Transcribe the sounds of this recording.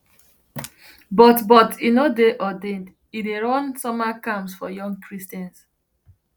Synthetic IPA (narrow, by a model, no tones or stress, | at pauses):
bɔtbɔtʰinodeʔɔdẽnd | ideɹɔ̃nsɔmakãmsfɔjɔ̃ŋɡkʰɹistãns